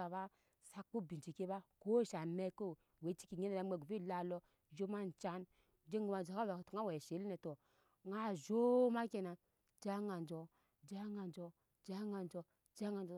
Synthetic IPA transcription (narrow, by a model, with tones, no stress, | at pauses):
a˨ba˦ | sa˦ku˦˨bi˨nt͡ʃi˨ke˦ba˦ko˦˨ʃa˨me˦ko˦˨ | we˨˦t͡ʃi̥˦ki˨ɲe˦na˨a˨˦me˨ɡu˨fi˦˨la˨lɔ˦ | d͡ʒo˦ma˦n̩˨t͡ʃa˦n | d͡ʒe˦ŋ˦ɡu˦ma˨d͡ʒa˨ka˦ba˨ktu˨ŋa˦we˨ʃe˨˦li˦nɛ˨to˨ | ŋa˦˨d͡ʒo˦ma˦ke˨na˨ | d͡ʒa˦ŋa˨n˨d͡ʒɔ˨ | d͡ʒa˦ŋa˨nd͡ʒo˧ | d͡ʒa˦ŋa˨n˨d͡ʒo˧ | d͡ʒa˦ŋa˨n˨d͡ʒo˨